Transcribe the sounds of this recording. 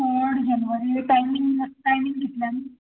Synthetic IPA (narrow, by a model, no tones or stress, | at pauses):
oɽd͡ʑanʋəɾiʈajmiŋəʈajmiŋɡɡʱet̪ljani